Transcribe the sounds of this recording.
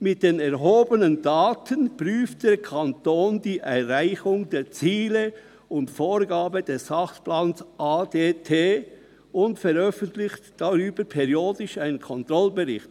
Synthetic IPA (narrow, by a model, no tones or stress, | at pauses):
mɪt̚d̥eːnɛʁɦoːbənəndaːtʰənpʁyːft̚d̥eːkʰantoːndiːʔɛʁʁaɪçʊŋdeːt͡siːlə | ʊntfoːɾɡaːbəd̥ɛsɑxsplaːnsʔaːdeːtʰeː | ʊntfɛɾœfəntlɪçtd̥aʁyːbəpʰɛɾjoːdɪʃaɪnənkʰɔntɾɔlbəʁɪxt